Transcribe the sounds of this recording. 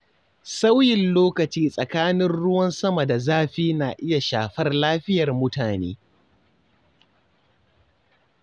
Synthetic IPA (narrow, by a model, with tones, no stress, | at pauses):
sa˦wjɪ˨nloː˦kɐ˨t͡ʃiː˦sʼɐ˨kaː˦nɪ˦nɽʊ˦wɐ˦nsɐ˦ma˨da˨zaː˦ɸiː˦naː˨ʔɪ˦ja˨ʃaː˨ɸɐ˦rlaː˦ɸɪ˦jɐ˨rmʊ˦taː˨nḛː˦